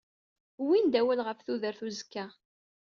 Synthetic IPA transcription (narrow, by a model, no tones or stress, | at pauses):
wind̪æwælʁəfθuðəɾθuzkːæ